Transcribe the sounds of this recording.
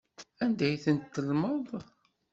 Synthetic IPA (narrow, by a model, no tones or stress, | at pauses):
ænd̪æjθənt̪ːəlməðˤ